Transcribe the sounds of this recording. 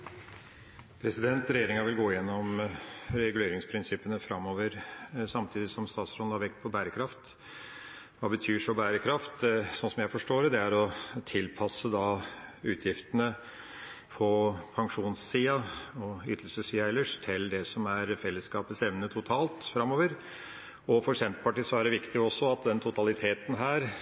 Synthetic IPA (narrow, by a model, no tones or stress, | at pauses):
pʰɾɛsɪd̪ɛnt̪ɾɛjeːɾɪŋɑʋɪlɡoːɪjɛnːɔmɾɛɡʉleːɾɪŋspʰɾɪnsɪpənəfɾɑmːoːʋəɾsɑmt̪ʰiːd̪ɪsɔmst̪ɑːt̪sɾɔd̪ɑɾʋɛk̚t̪̚pʰɔbæːɾəkʰɾɑft̪ | ʋɑːbət̪ʰyːʂɔbæːɾəkʰɾɑft̪sɔnsɔmjæɪfɔʂʈoːɾd̪ɛæɾɔt̪ʰɪlpʰɑsəd̪ɑʉːt̪ʰjɪft̪ənə | pʰɔpʰɑŋʂuːnsːiːɑɔʏt̪ʰəlsəsiːɑɛlːəʂt̪ʰɪld̪ɛsɔmæɾfɛlːəskɑːpəsɛʋnət̪ʰʊt̪ʰɑːlt̪fɾɑmːoːʋəɾ | ɔfɔɾɕɛnt̪pɑʈiːsɔæɖɛʋɪkt̪ɪɔsːɔɑt̪̚d̪ɛnt̪ʰʊt̪ɑlɪt̪ʰeːt̪n̩ɦæːɾ